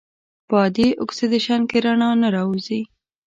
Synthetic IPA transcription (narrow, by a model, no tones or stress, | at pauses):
pɑd̪iʔʊksed̪əʃɑnkeɾaɳɑnaɾɑuzi